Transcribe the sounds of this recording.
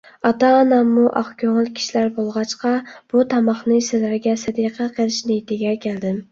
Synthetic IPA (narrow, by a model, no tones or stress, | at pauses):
ɑt̪ɑːnɑmːuʔɑ̰χkʲʰøŋɪlkʲʰi̥ʃilæɾbolˠʁɑt͡ʃqɑb̥ut̪ʰɑmɑχnɨsɪlæɾɡʲɛsɪd̪iqʰɛqʰelˠɪʃnɪt̪ʰɪɡʲɛkʲʰæld̪ɪm